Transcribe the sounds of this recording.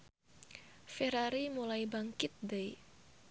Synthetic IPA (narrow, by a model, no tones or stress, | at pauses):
feɾaɾimulajbaŋkɪt̪̚dəj